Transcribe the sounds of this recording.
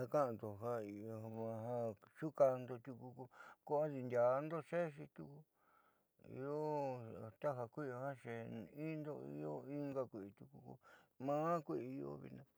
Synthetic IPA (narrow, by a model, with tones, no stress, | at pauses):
a˧ka˦ʔã˧nd̪o˨ɦa˧i˧˨˧ã˧ɦa˧t͡ʃu˦ka˧nd̪o˧t̪ʲu˧ku˧ku˧ko˦a˦ði˧nd̪ʲa˨˧nd̪o˦ʂe˦˧ʃi˧t̪u˧ku˧ | ḭ˧o˦˨t̪a˦ɦa˧kʷi˦o˧hã˦ʂe˧˨i˦nd̪o˦˧ḭ˦o˦i˦ŋɡa˧kʷi˨ʔi˧t̪u˧ku˧kṵ˧mãː˦kʷi˦ʔi˧i˧o̰˦βḭ˧nã˧